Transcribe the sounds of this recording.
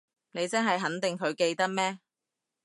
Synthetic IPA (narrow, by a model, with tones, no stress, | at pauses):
ne˨˧jt͡sɐ˥nɦɐ˨jɦɐ˨˥nt̪ɪ˨ŋkʰɵ˨˧ɥke˧jt̪ɐ˥k̚mɛː˥